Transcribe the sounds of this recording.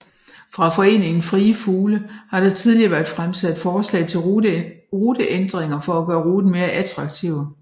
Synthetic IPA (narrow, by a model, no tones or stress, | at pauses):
fʁɑ̈fɒ̽e̝̰ːne̝ŋn̩fʁiːəfuːləhɑ̈ɾ̥ɑ̈t͡sʰiðˠliɐʋæɐd̥fʁamsæd̥fɒːslɛ̰ɪt͡sʰe̝l | ʁuːd̥əʔend̥ʁeŋɐfɒ̽æɡ̥ɶːɐʁuːð̥n̩me̝ːɐʔæt͡sʰʁɑ̈ɡ̥̚t͡sʰiʊ̰